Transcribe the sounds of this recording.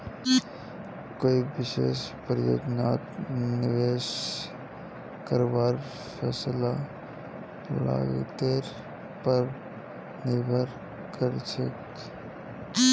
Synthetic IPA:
koːibɪʃḛːʃpɾəjo̰ːd͡ʒnaːt̪nɪʋeːʃ | kəɾʋaːɾ | fʰɛːsla | la̰ːɡḛt̪eːɾ | pəɾ | nɪbʱəɾ | kəɾt͡ʃə̰k

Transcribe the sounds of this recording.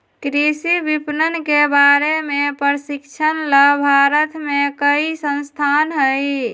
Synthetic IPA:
kɾisibipnənkebaɾemepəɾsikt͡ʃʰənləbʱaɾət̪mekəisə̃nst̪ʰanɦəj

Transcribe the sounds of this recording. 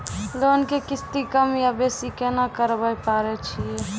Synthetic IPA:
lonkekɪst̪ikəmjabesikenakəɾbəjpaɾɛt͡ʃʰie

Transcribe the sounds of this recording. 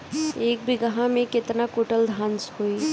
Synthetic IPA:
eːk̚bʱiɡəɦãmẽkɪt̪nakoːʈəld̪ʱãːnshoi

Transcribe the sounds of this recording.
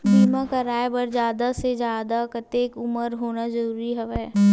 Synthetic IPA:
biːmãkɐɾaːebɐɾd͡ʒaːd̪ased͡ʒjaːd̪akɐt̪eːkʊməɾɦoːnazɐɾuːɾiɦɛʋɛː

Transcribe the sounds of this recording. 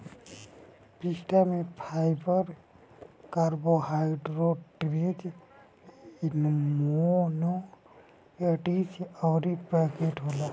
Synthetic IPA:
pisʈamepʰajbəɾ | kaɾboɦajɪɖɾoʈɾed͡ʒ | inmono | əʈisɔwɾipakeʈɦola

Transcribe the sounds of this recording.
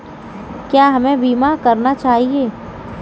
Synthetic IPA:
kjaːɦɐmẽbiːmakɐɾnat͡ʃaːɦieː

